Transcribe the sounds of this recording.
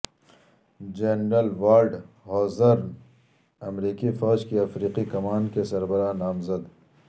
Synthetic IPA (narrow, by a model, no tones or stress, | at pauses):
d͡ʒenɾɐlʋaːɾɖ | hɔːzɐɾ | ɐmɾiːkifɔːd͡ʒkiɐfɾiːqikɐmaːnkesɐɾbɐɾanaːmzɐd̪